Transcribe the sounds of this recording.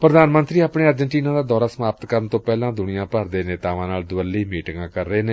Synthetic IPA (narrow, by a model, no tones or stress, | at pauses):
pɾəd̪aːnmənt̪ɾiːaːpɳeːəɾd͡ʒəɳʈiːnãːd̪aːd̪ɔːɾaːsəmaːpət̪kəɾnt̪õːpɛːlãːd̪ʊɳɪjãːpəɾd̪eːneːt̪aːʋãːnaːld̪ʊəlːiːmiːʈɪŋɡãːkəɾːeːneː